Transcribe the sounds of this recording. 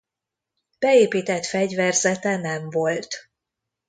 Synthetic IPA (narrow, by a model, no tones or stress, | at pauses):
b̥ɛeːpiːt̪ɛt̪fɛɟvɛrzɛt̪ɛnɛɱvo̞lt̪